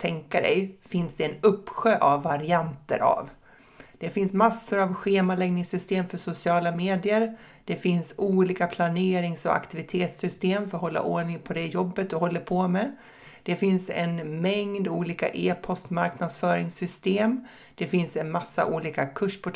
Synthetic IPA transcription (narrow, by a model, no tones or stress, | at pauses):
t̪ʰɛŋkaɖɛ̰jfɪnsd̪ɛɛnɵpːɧøːʔavːaɾɪant̪ə̰ɾa̰v | d̪̥ɛfɪnsmasːʊɾavɧeːmalɛɡnɪŋsʏst̪eːmfœʂʊsɪɑːlameːd̪ɪəɾ | d̪̥ɛfɪnsuːliːkapʰlaneːɾɪŋsɔa̰kt̪ɪvɪt̪ʰeːt̪sʏst̪eːmfœɾɦɔlːa̰ʔoːɳɪŋpʰɔd̪ɛjɔbːət̪ɔɦɔlːapʰɔmɛ | d̪̥ɛfɪnsɛ̰nmɛŋd̪uːliːka̰ʔeːpʰɔst̪maɾknad̪sfœːɾɪŋsʏst̪eːm | d̪̥ɛfɪnsɛnmasːa̰ʔuːliːkakʰɵʂpʰɔ